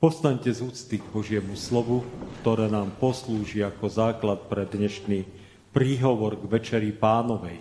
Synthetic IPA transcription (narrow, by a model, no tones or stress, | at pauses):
pɔst̪aɲcɛzuːt͡st̪iɡbɔʒɪɛmuslɔʋukt̪ɔɾɛːnaːmpɔsluːʒiakɔzaːklat̪̚pɾɛd̪ɲɛʃni | pɾiːɦɔʋɔɾɡʋɛt͡ʃɛɾipaːnɔʋɛ̰j